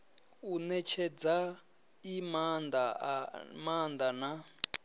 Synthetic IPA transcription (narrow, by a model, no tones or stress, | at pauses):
unɛt͡ʃʰɛd͡za | imanda | mand̪ana